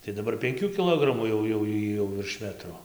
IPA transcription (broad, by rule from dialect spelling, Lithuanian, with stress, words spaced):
tɐɪ dɐˈbɐr pʲɛŋʲˈkʲuː kʲɪˈlˠoːɡrɐmuː jɛʊ jɛʊ ˈjiː jɛʊ ʋʲɪrʃ ˈmʲæːtroː